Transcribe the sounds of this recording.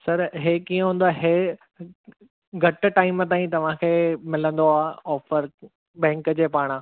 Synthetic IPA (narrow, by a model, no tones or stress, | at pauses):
sɐɾɦeːkiːə̃ɦũːn̆d̪aːɦe | ɡʱɐʈʈaːɪmt̪̬aːĩt̪ɐʋ̤ãkʰeːmɪlə̃nd̪oaːɔːfəɾ | ɓɛ̃ːŋkd͡ʑeːpaːɽ̃ãː